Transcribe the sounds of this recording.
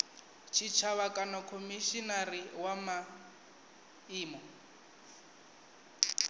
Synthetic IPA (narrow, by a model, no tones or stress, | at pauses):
t͡ʃʰit͡ʃʰaβakʼanakʰomiʃinariwama | iːmɔ